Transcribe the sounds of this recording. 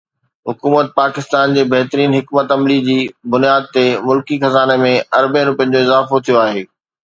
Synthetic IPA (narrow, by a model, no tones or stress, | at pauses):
ɦʊkuːmət̪̚paːkɪst̪aːnd͡ʑeːbɐɦt̪əɾiːnɦɪkmət̪ɐmlid͡ʑiːbʊnijaːd̪̚t̪emʊlkixɐzaːnemẽɐɾbeɾʊpə̃ɲd͡ʑoɪzaːfot̪ʰijoaːɦeː